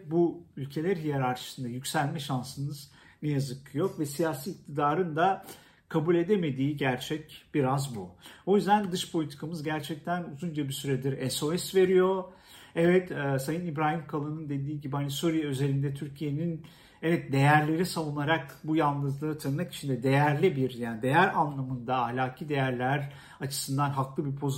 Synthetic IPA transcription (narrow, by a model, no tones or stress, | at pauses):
buylʲcʰe̞lʲæɾɦijaɾaɾt͡ʃʰɯ̥sɯnd̪ajycsælʲmɛʃansɯnɯz | nɛjazɯkjo̞kvɛsijaːsiːk̚t̪ʰid̪aːɾɯnd̪a | kʰabulʲe̞d̪eme̞d̪iːɟæɾt͡ʃʰɛcb̥iɾazbuo̞jyzd̪ænd̪ɯʃpʰo̞lʲit̪ʰi̥kʰamɯzɟæɾt͡ʃʰɛc̚t̪ʰænuzund͡ʒabisyɾɛd̪iɾɛso̞ɛsve̞ɾijo̞ | ɛvɛt̪ɛsajɯnibɾaːɦimkʰalˠɯnɯnd̪e̞d̪iːɟibianiso̞ɾijɛøze̞lʲind̪ɛt̪ʰyɾcʰije̞nin | ɛvɛt̪̚d̪e̞jæɾlʲe̞ɾisavunaɾakbujanˠd̪ɯzd̪ˠɯːt̪ʰanɯmaki̥t͡ʃʰind̪ɛd̪e̞jæɾlʲibiɾjaːnid̪e̞jæɾanlˠamɯnd̪aːɦlʲaːkʰiːd̪e̞jæɾlʲæɾ | at͡ʃʰɯ̥sɯnd̪anɦaklˠɯbipʰo̞z